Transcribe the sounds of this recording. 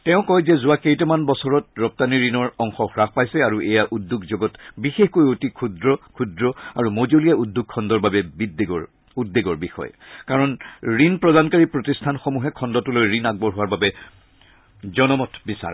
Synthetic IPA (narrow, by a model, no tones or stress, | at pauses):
tɛʊ̃kɔjzɛzʊwakejtɔmanbɔsɔɹɔtɹɔp̚taniɹinɔɹɔŋxɔxɹaxpajsɛaɹuʔɛjaʔudʱːukzoɡɔtbixexkojotikʰudɹɔkʰudɹɔaɹumozolijaudʱːuk̚ʰːɔndɔɹbabɛbidɡɔɹ | udːeɡɔɹbixɔ̰jɛ̰kaɹɔnɹinpɹɔdankaɹipɹotistʰanxomuɦɛkʰɔndɔtulojɹinaɡ̚bɔɹɦʊwaɹbabɛ | zɔnɔmɔtbisa̰ɹɛ